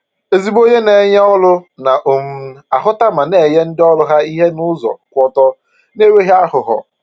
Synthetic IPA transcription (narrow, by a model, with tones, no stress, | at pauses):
e˨zi˦bo˦ɲe˦ne˨˦ɲ˦ɔ˦lʊ˦na˨ʔo˨m̩˦a˨ɦʊ˦ta˦ma˨ne˨je˦n̩˦dɪ˦ɔ˦lʊ˦ɦa˦i˦ɦe˦nʊ˦zɔ̰˨kʷɔ˦tɔ˦ | ne˦we˦ɦe˦a˦hʊ˨ɦɔ̰˨